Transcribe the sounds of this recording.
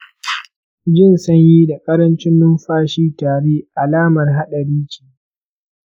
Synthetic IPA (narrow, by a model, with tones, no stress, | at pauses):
d͡ʒɪ˦˨nsɐ˦ɲji˦da˨kʼɐ˦ɾɐ˦nt͡ʃɪ˦nːʊ˦mɸaː˦ʃiː˦taː˨ɽeː˦ʔa˨laː˦mɐ˨rɦa˦ɗa˨ɽiː˦t͡ʃi̥ː˨